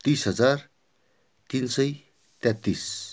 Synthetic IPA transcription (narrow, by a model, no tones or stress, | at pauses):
t̪isɦʌd͡zar | t̪insʌj | t̪ɛt̪ːis